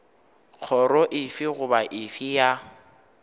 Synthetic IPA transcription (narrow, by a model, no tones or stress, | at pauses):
k͡xʰɔɾɔʔɪfɪɣʊbaʔɪfɪja